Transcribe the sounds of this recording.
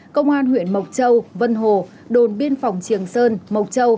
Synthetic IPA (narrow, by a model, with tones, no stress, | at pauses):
kə˧wŋ͡mʔaː˧nɦwḭ˧˨ənmə˨˩wk͡p̚t͡ɕə˧wvə˧nɦo˨˩ | ɗo˨˩nɓi˧ənfa˨˩wŋ͡mt͡ɕi˨˩əŋsəː˧nmə˨˩wk͡p̚t͡ɕə˧w